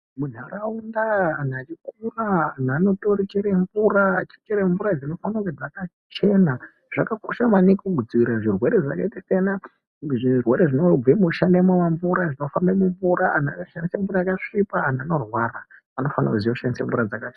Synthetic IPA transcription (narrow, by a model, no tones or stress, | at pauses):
mun̤aɾaundaːn̤at͡ʃikulaːn̤ano̞to̞rit͡ʃeɾeɱvurat͡ʃi̥t͡ʃeɾeɱvuɾad͡zino̞fanakud͡zaka | t͡ʃe̞na | ʐ̥akakoʃamanikuɡud͡ziwiɾaʐirwe̞ɾeʐa̰ka̰itisena | ʐirwe̞ɾeʐino̞imuʃandemwamaɱvuɾaʐino̞fambemuɱvuɾaan̤akaʃandisemvuɾajakaʂipaːnano̞rwaraː | no̞fana̰kuzijoʃandisemvurad͡zaka